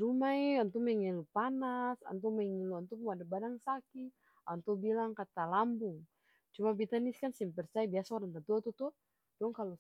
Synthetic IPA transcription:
ɾumaiɔnt̪umɛŋilupanasa̰nt̪ɔmɛŋiluant̪umuadabadaŋsaki | ant̪ubilaŋkat̪alambuŋ | t͡ʃumabit̪aniskansimpɛrt͡ʃajbiasaɔɾaŋt̪ant̪uat̪ut̪ɔ | dɔŋkalɔ

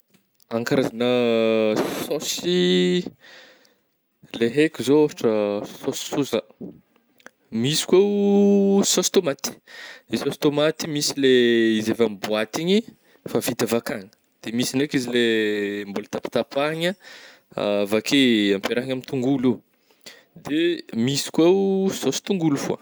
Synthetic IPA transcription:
aŋkaɾazanə | sɔsi | leɦekʲizooɾʈ͡ʂəsɔsi̥suza | misi̥ke | sɔst̪omat̪i̥sɔst̪omat̪imisileizevambuat̪iɲi | favit̪əvakaŋə̥ | d̪̥emisinekizilembolət̪api̥t̪apaɲə | a̰vakʰeampeɾaɦaɲamit̪uŋɡuli | d̪emisi̥kwawsosi̥t̪uŋɡulufua̰

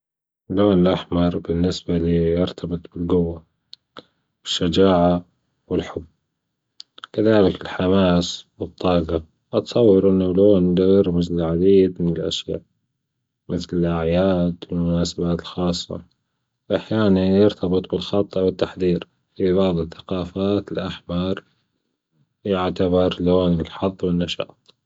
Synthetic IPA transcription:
loːnɪlʔaħmɑɾˤbɪnːɪsbaliːjɪɾt̪ʰɑbɨt̪ˤbɪlɡʊwːa | bɪʃːad͡ʒaːʕa | wɪlħʊbː | kaðaːlɪkɪlħamaːswɨt̪ˤːɑːɡɑ | ʔɑt̪sˤɑwːɑɾʔɪnːaloːnlaɪɾmɪzlɪlʕad̪iːd̪mɪnɪlʔa̰ʃja̰ːʔ | mɪθlɪlʔaʕjaːd̪wɪlmʊnaːsabaːt̪ɪlxɑːsˤːɑ̰ | wʔaħjaːnanjɪɾt̪ɑbɨt̪ˤbɪlxɑt̪ˤːʔwɪt̪ːaħðiːɾ | fiβɑʕðˤɨθḁqɑːfaːt̪ɪlʔaħmɑɾˤ | jɪʕt̪aβɑɾˤloːnɪlħɑðˤːwɪnːaʃɑ̰ːt̪ˤ

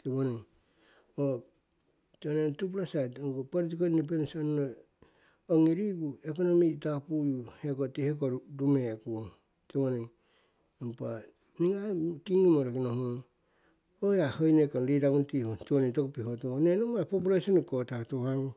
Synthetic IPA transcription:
teβoniŋ | o | teonentup̬lasatoŋɡopoɾit̬ikonip̬ensonːo | oŋiɾiɡuek̬onomitapujuhekotihek̬oɾɾumekuo | teβoni | empa | niŋakiŋimoɾokinoho | ojahojnekonɾiɾaɡuntihotionitokopihotonenomapopulesonikotahtohaŋ

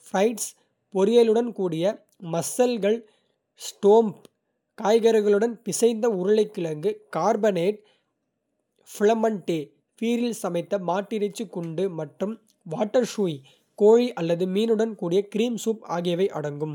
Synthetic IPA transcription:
fɾɐɪʈs | pɔɾɪjɐlɯɽɐnkuːɽɪjɐ | mɐsːɐlɣɐɭ | sʈoːmp | kaːjɣɐɾɐɣɐɭɯɽɐnpɪsɐɪnd̪ɐʊɾɐɭɐɪkːɪɭɐŋɡɯkaːɾbɐneːʈ̚ | fɪɭɐmɐɳʈːeː | fiːɾilsɐmɐɪt̪ːɐmaːʈːɪɾɐt͡ʃːɯkːʊɳɖɯmɐʈrɯm | ʋaːʈːɐɾʂuːi | koːɻiʔɐlːɐðɯmiːnɯɽɐnkuːɽɪjɐkɪɾiːmsuːpa̰ːɣɪjɐʋɐɪʔɐ̰ɽɐŋɡɯm

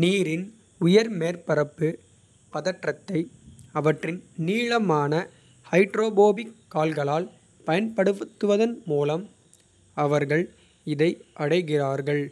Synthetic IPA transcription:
niːɾɪn | ʊjɐɾmeːɾpɐɾɐpːɯ | pɐðɐʈrɐt̪ːɐɪɐʋɐʈrɪnniːɻɐmaːnɐ | hɐɪʈɾoːboːbɪkːaːlɣɐɭaːl | pɐjɐnpɐɽɯʋt̪ːɯʋɐðɐnmuːlɐm | ɐʋɐɾɣɐɭ | ɪðɐɪʔɐɽɐɪɣɪraːɾɣɐɭ

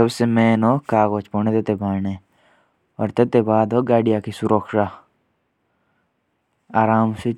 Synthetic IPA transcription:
əbsemeːnoːkaːɣot͡ʃponet̪et̪ebʱaːne | ɔːɾt̪et̪ebaːd̪oːɡaːɖijaːkisuɾokʰʃaː | aːɾaːmse

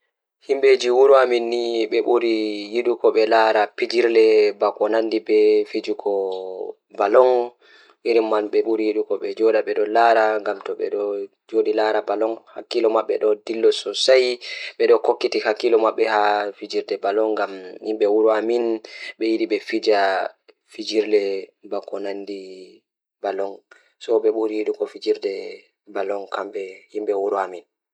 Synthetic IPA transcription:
himɓed͡ʒiwuɾuaminːiɓɛɓuɾijiɗukɔɓɛlaɾapid͡ʒiɾdɛbakɔnandibɛfid͡ʒukɔ | balɔŋ | iɾimːanɓɛɓuɾijiɗukɔɓɛd͡ʒɔɗaɓɛɗɔlaɾaŋɡamtɔɓɛ̰ɗɔ | d͡ʒoɗilaɾabalɔŋhakːilɔmaɓːɛɗɔdilːɔsɔsajɓɛɗɔkokːitihakːilɔmaɓːɛhafid͡ʒiɾdɛbalɔŋɡamhimɓɛwuɾuaminɓɛjiɗiɓɛfid͡ʒa | fid͡ʒiɾdɛbakɔnandi | balɔŋ | sɔɓɛɓuɾiɗukɔfid͡ʒiɾdɛ | balɔŋkʰamɓɛhimɓɛwuɾuamin

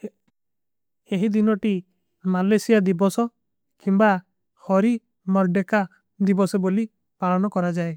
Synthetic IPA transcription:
eɦid̪inɔʈi | malesijad̪ibɔsɔ | kimba | hɔɾi | mɔɾɖeka | d̪ibɔsɔboli | paɭɔnɔkɔɾad͡ʒae

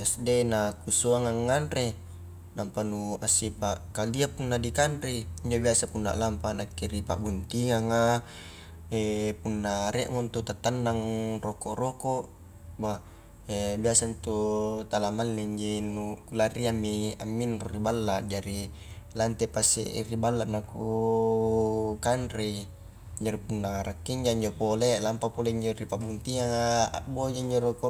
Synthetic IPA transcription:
asdenakusoaŋaŋːanɾe | lampanuasːipaʔkaliapunːadikanɾeiɲd͡ʒobiasapunːa̰ʔlampanakːeɾipa̰ʔbunt̪iŋaŋa | epunːaɾeʔŋont̪ut̪at̪ːanːaŋrokoʔrokoʔ | ba | ebiasant̪ut̪alamalːiɲd͡ʒinukulariamːia̰mːinruribalːad͡ʒaɾi | lant̪epasːḛʔḭribalːaʔnaku | kanɾi | d͡ʒaɾipunːaɾakːiɲd͡ʒaiɲd͡ʒopolelampapoleiɲd͡ʒoripabunt̪iaa̰ʔbod͡ʒaiɲd͡ʒoɾoko

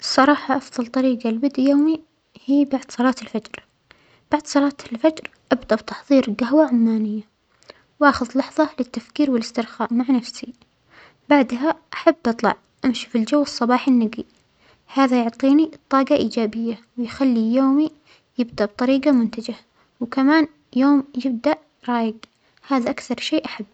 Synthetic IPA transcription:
sˤːɑɾˤɑːħɑʔɑfðˤɑlt̪ˤɑɾiːɡalbɪd̪ʔjoːmi | hiːbaʕd̪̥sˤɑlɑːt̪ɪlfad͡ʒɾ | b̥aʕd̪sˤɑlɑːt̪ɪlfad͡ʒɾ | ʔabd̪aʔbt̪ɑ̥ħðˤiːɾɡaɦwaʕʊmːaːnɪjːa | wʔaːxʊðlɑħðˤɑlɪt̪ːafkiːɾwɪlɪst̪ɪɾxaːʔmaʕnafsi | baʕd̪ɦaʔaħabːʔɨt̪ˤlɑ̰ʕ | ʔamʃi̥fild͡ʒawːɨsˤːɑbɑːħɪnːaɡi | haːðajʊʕt̪ˤiːnit̪ˤːɑːɡaʔiːd͡ʒaːbɪjːawɪjxalːijoːmi | jɪbd̪aʔb̚t̪ˤɑɾiːɡamʊnt̪ad͡ʒa | wkamaːn | joːmjɪb̚d̪aʔ | ɾˤɑːjɪɡ | haːðaʔakθɑɾˤʃeːʔaħabː

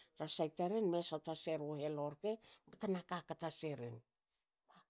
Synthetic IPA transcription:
ɾasajtaɾenmesataseɾoheloɾkemetanakakataseɾḛn | wa

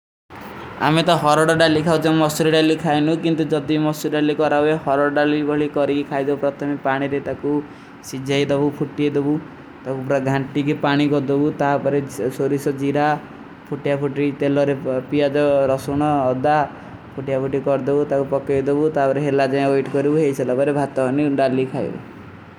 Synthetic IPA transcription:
a̰met̪ɔɦɔɾɔɽɔɖalikʰawt͡ʃʰãmɔsuɾiɖalikʰajnũkint̪ud͡ʒɔd̪imɔsulɖalikɔɾabeɦɔɾɔɽɖalibʱɔɭikɔɾikikʰajd̪ebupɾɔt̪ʰɔmipaɽ̃iɾet̪aku | sid͡ʒʱajd̪ɔbupʰuʈied̪ebu | t̪akupɾaɡʱaɳʈik̬ipaɽ̃iɡɔd̪obut̪aɦapɔɾesoɾisɔd͡ʒiɾa | pʰuʈijapʰuʈit̪elɔɾepijad͡ʒɔɾɔsuɽ̃ɔːd̪a | pʰuʈijapʰuʈikɔɾd̪ebut̪akupɔkɔd̪ebut̪apɔɾeɦelad͡ʒaẽojʈkɔɾibuɦejselapɔɾebʱat̪ɔɔniɖalikʰaj̰bṵ

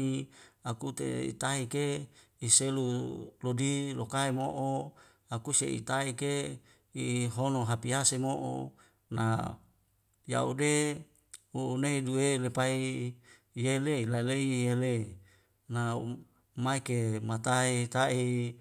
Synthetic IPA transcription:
iakut̪ḛḭt̪aɦike | iselulodilokaemoʔo | akusḛḭt̪aike | iɦonoɦapiasemoʔo̰ | na̰ | ja̰ude | uneiduelepai | jeleilaleiele | na | maikemat̪aiet̪ai

